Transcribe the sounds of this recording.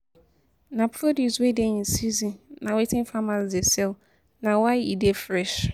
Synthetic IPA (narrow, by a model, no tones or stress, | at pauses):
nãpʰɾoduswedensizĩnːãwetʰɪ̃nfamasd͡zɪɛsɛl | nãwajidefɾɛʃ